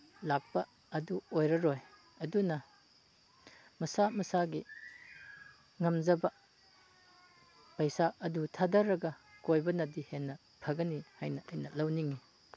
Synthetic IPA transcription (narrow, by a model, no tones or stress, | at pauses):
lak̚pɐ | ɐduojɾɐɾoj | ɐdunɐ | mɐsamɐsaɡi | ŋɐmd͡ʒɐbɐ | pɐjsaɐdutʰadɐɾːɐɡɐkojbɐnɐdihenːɐ | pʰɐɡɐnihajnɐɐjnɐlɐwniŋi